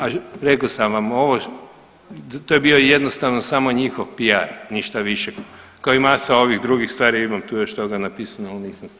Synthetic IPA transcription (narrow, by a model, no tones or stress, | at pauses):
aɾe̞kosamʋamo̞ʋo | t̪ojebioje̞d̪no̞st̪aʋno̞saːmo̞ɲixoʋpijaɾniʃt̪aʋiʃek | kaoimasao̞ʋixd̪ɾuɡixst̪ʋaːɾiimamt̪uːjo̞ʃt̪o̞ɡanapisanalniːsams